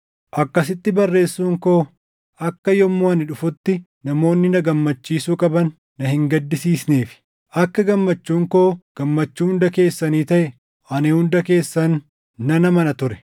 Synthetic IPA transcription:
ʔɐkːɐsɪt̪ːɪbɐrːe̞ːsːuːŋko̞ː | ɐkːɐjɔmːoːɐnɪᶑʊfʊt̪ːɪ | nɐmo̞ːnːɪnɐɡɐmːɐt͡ʃːiːsuːkʼɐbɐnː | ɐhɪŋɡɐd̪ːɪsiːsneːfɪ̥ | ʔɐkːɐɡɐmːɐt͡ʃːuːŋko̞ːɡ̥ɐmːɐt͡ʃːuːhʊnd̪ɐke̞ːsːɐniːt̪ɐʔɛ | ʔɐneːhʊnd̪ɐke̞ːsːɐnː | ɐnɐmɐnɐt̪ʊɾɛ̥

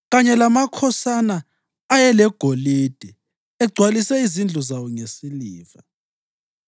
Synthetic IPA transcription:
ɣaɲɛlamakʰɔsanaː | jɛlɛɡ̥ʱoliːd̥ʱɛ | ɛɡ͡ǀʱwalisɛizind͡ɮʱɔzawɔŋesiliːva

